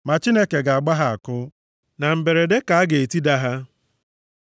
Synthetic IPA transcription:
ma˨t͡ʃi˦ne˦ke˨ɡa˨a˨ɡ͡ba˦ɦa˨a˨kʊ˦ | na˨m̩˨be˨ɾe˨de˦ka˨a˦ɡe˨e˨ti˦da˦ɦa˦

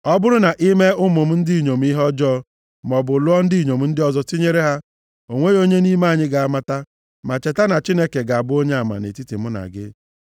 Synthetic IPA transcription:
ɔ˦bʊ˦ɾʊ˦na˨ʔi˦me˦ʊ˦mʊ˨m̩˦n̩˦di˦˨ɲo˨m̩˦i˦ɦɔ˦d͡ʒɔ˦ | m˨ɔ˨bʊ˨lʊ˦ɔ˦n̩˦di˦i˨ɲo˨m̩˦n̩˦dɪ˦ɔ˦zɔ˦ti˦ɲe˦ɾe˦ɦa˦ | o˨ŋʷe˦jo˦ɲe˦ni˦ma˦˨ɲɪ˦ɡa˨a˦ma˦ta˦ | ma˨t͡ʃe˨ta˦na˨t͡ʃi˦ne˦ke˨ɡa˨a˨bʊ˦o˦ɲe˦a˨ma̰˨nḛ˨ti˦ti˨m̩˦na̰˨ɡɪ̰˦

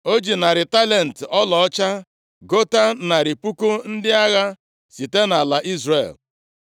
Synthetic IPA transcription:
o˦d͡ʒi˨na˨ɾɪ˨ta˦le˨n̩˨tɔ˦lɔ˨ɔ˦t͡ʃa˦ | ɡo˦ta˦na˨ɾi˨pu˦ku˦n̩˦dɪ˦a˦ɣa˦ | si˨te˦na˨la˨ʔi˦zrḛ˨l

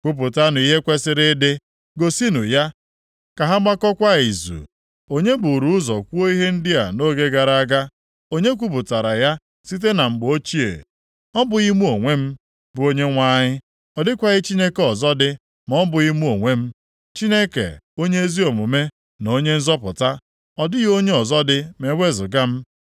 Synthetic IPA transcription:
kʷu˦p̬ʊ˨ta˦n˨i˦ɦe˦kʷe˦sɪ˦ɾɪ˦dɪ˦ | ɡo˨si˦nu˨ja˦ | ka˨ɦa˦ɡ͡ba˦kɔ˦kʷa˦i˨zṵ˨ | o˦ɲe˦bʊ˨ɾu˨˦ʊ˦zɔ˨kʷu˦o˦i˦ɦe˦n̩˦dɪ˦a˨no˦ɡe˦ɡa˨ɾa˨˦a˦ɡa˦ | o˦ɲe˦k̬ʷu˦p̬ʊ˨ta˨ɾa˨ja˦ | si˦t̬e˦na˨ŋ͡m̩˨ɡ͡bʊ˨o˦t͡ʃi˦ḛ˨ | ɔ˦bʊ˨ɣi˦mu˦o˨ŋʷe˦m̩˦ | bʊ˨o˦ɲe˦ŋʷa˦ɲɪ˦ | ɔ˨dɪ˦kʷa˦ɣɪ˦t͡ʃi˦ne˦ke˨ɔ˨zɔ˦dɪ˦ | m˨ɔ˦bʊ˨ɣi˦mu˦o˨ŋʷe˦m̩˦ | t͡ʃi˦ne˦kḛ˨o˦ɲe˦e˦zi˦o˨mu˨me˦ | no˨˦ɲe˦n̩˦zɔ˦pʊ˨ta˦ | ɔ˨dɪ˦jo˦ɲe˦ɔ˨zɔ˦dɪ˦me˨wʷe˦zʊ˨ɡa˦m̩˦

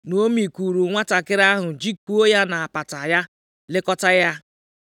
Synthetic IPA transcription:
no˦mi˨ku˨ɾu˨ŋʷa˦ta˨kɪ˦ɾa˦ɦʊ˨d͡ʒi˦k͡pu˦o˦ja˦na˨a˨pa˨ta˨ja˦ | lɪ˦kɔ˦ta˦ja˦

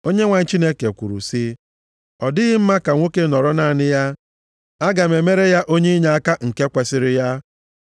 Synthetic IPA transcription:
o˦ɲe˦ŋʷa˨ɲ̩˦t͡ʃi˦ne˦ke˨kʷu˨ɾṵ˨sɪ˦ | ɔ˨dɪ˦ɣɪ˦m̩˦ma˦ka˨ŋʷo˦ke˦nɔ˨ɾɔ˦na˨nɪ˦ja˦ | a˦ɡa˨me˨me˦ɾe˦ja˦ʔo˦ɲe˦i˦ɲa˨a˦ka˦ŋ̩˨ke˦kʷe˨sɪ˦ɾɪ˦ja˦

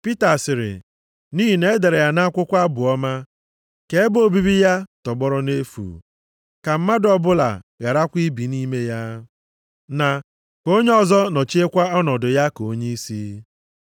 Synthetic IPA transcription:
pi˦ta˨sɪ˨ɾɪ̰˨ | niː˦ɦi˨ne˦e˦de˨ɾe˨ja˨na˦a˦kʷʊ˦kʷa˦bʊ˨ɔ˦ma˦ | ke˦e˦bo˨bi˦bi˦ja˦tɔ˨ɡ͡bɔ˦ɾɔ˦ne˦fṵ˨ | ka˨m̩˦ma˦dɔ˨bʊ˦la̰˨ɣa˨ɾa˦kʷi˦bi˨ni˦me˦ja˦ | na˨ | ko˦ɲe˦ɔ˦zɔ˦nɔ˨t͡ʃi˦e˦kʷa˦ɔ˦nɔ˨dʊ˨ja˦ko˦ɲe˦i˦si˦

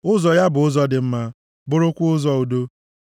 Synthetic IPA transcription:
ʊ˦zɔ˨ja˦bʊ˨ʊ˦zɔ˦dɪ˨m̩˦ma˦ | bʊ˦ɾʊ˦kʷʊ˦ʊ˦zɔ˦u˨do˦

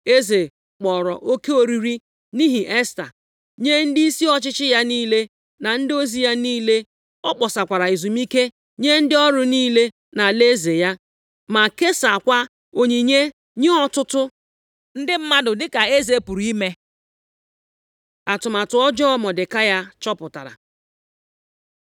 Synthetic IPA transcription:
e˦ze˨ | k͡pɔ˨ɾɔ˨ʔo˦ke˦o˨ɾi˨ɾi˦ | ni˦ɦi˨ʔɛ˦sta̰˨ | ɲe˦n̩˦di˦si˦ɔ˦t͡ʃɪ˦t͡ʃɪ˦ja˦niː˦le˦ | na˨n̩˦dɪ˦o˦zi˨ja˦niː˦le˦ | ɔ˦k͡pɔ˨sa˨kʷa˨ɾa˨i˨zu˨mi˦ke˦ | ɲe˦n̩˦dɪ˦ɔ˦ɾʊ˦niː˦le˦ | na˨le˦ze˨ja˦ | ma˨ke˦sa˨kʷa˦ | o˨ɲi˨ɲe˦ | ɲe˦ɔ˦tʊ˦tʊ˦ | n̩˦dɪ˦m̩˦ma˦dʊ˨dɪ˦ka˨e˦ze˦pu˨ɾi˦me˦ | a˨tʊ˨ma˨tʊ˨ɔ˦d͡ʒɔ˦mɔ˨dɪ˨ka˦ja˦t͡ʃɔ˦pʊ˨ta̰˨ɾa̰˨

